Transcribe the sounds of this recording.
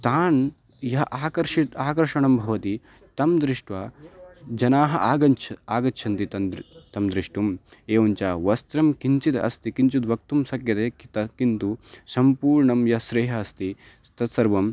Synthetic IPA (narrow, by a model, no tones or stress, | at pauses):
t̪aːn | jɐɦɐʔaːkɐɾʃit̪aːkɐɾʃɐɳɐmbʱɐʋɐt̪i | t̪ɐmd̪ɾiʂʈʋaːd͡ʒɐnaːɦɐ̰ʔaːɡɐnt͡ʃʰɐaːɡɐʃʰɐnt̪it̪ɐnd̪t̪ɐmd̪ɾiʂʈumeːʋɐɲt͡ʃaːʋɐst̪ɾɐmkint͡ʃit̪ɐ̰st̪ikint͡ʃud̪ʋɐk̚t̪umsɐkjɐt̪eːkt̪ɐkint̪usɐmpuːɾɳɐmjɐɦɐsɾeːɦɐːst̪i | t̪ɐt̪sɐɾʋɐm